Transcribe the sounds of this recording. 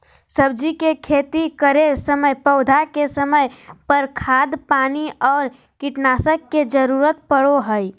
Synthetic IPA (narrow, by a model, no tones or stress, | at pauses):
səb̚d͡ʒikekʰeːt̪ikəɾesəməjpəʊd̪ʱakesəməjpəɾkʰaːd̪paːniɔːɾ | kɪʈnaːsəkːed͡ʒəɾuːɾət̪̚pəɽoɦəi